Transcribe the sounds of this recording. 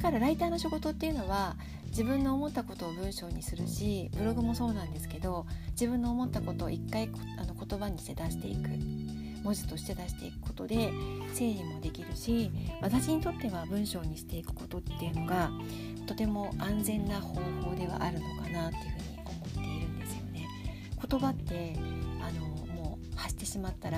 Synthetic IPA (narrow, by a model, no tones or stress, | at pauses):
kaɾaɾait̪aːno̞ɕiɡo̞t̪o̞t̪ːe̞iɯ̟no̞βa | d͡ʑibɯ̟̃nːo̞ːmo̞t̪ːako̞t̪o̞ːbɯ̟̃ɰ̃ɕo̞ːɲ̟isɨɾɯ̟ɕibɯ̟ɾo̞ɡɯ̟mo̞so̞ːnãnd̪e̞sɨ̥ke̞d̪o̞d͡ʑibɯ̟̃nːo̞ːmo̞t̪ːako̞t̪o̞̰ːikːai | ano̞ko̞t̪o̞baɲ̟iɕi̥t̪e̞d̪aɕi̥t̪e̞̰ḭkɯ̟̰ | mo̞ʑi̥t̪o̞ɕi̥t̪e̞d̪aɕi̥t̪e̞̰ikɯ̥ko̞̥t̪o̞d̪e̞se̞ːimo̞d̪e̞kʲiɾɯ̟ɕiβat̪aɕiɲ̟it̪o̞t̪ːe̞βabɯ̟̃ɰ̃ɕo̞ːɲ̟iɕi̥t̪e̞ikɯ̟̥ko̞t̪o̞t̪ːejɯ̟no̞ɡa | t̪o̞t̪e̞mo̞ʔãnzẽ̞nːaho̞ːho̞ːd̪e̞β̞a̰ʔaɾɯ̟no̞kanat̪ːe̞iɯ̟ɸɯ̟ːɲ̟ḭo̞mo̞t̪ːe̞iɾɯ̟̃nd̪e̞sɨ̥jo̞̰ne̞ | ko̞t̪o̞bat̪ːe̞ano̞mo̞ː | haɕi̥t̪e̞ɕimat̪ːaɾa